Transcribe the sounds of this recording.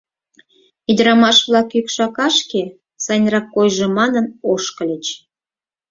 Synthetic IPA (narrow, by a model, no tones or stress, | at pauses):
id̪ɾɑmɑʃβlˠɑkykʃɑkɑʃke | sɑjnʲrɑkːojʒemɑnənoʃkə̆lʲet͡ɕ